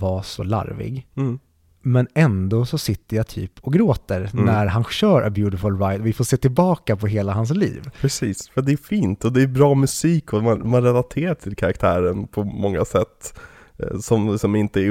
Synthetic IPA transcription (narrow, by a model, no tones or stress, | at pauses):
vasɔ̰la̰ɾvɪ̰ɡ | mɛnɛnd̪oːsɔsɪt̪ːəjat̪ʰy̰ːpʰɔɡɾoːt̪əɾnæɾɦanɕœːɾʔə̰bjʉːt̪ɪfʊlɾajt̪ɔvɪfoːseːt̪ɪlbɑːkapʰɔɦeːlaɦans̬lḭːvpʰɾɛsiːsfɑt̪d̪ɛːfiːnt̪ɔd̪ɛːɾbɾɑːmɵsiːkʰɔmanmanɾɛlat̪ʰeːɾaʈʰɪlkʰaɾakt̪ʰæːɾənpʰɔmɔŋːasɛt̪ː | sɔmlɪksɔmɪnt̪əɛ